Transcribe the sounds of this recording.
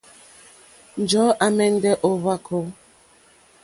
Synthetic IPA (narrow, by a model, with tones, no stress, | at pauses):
n̩˨d͡ʒɔ˨˦ʔa˨mɛ˦n̩˦dɛ˦ʔo˦βa˦kʰo˨˦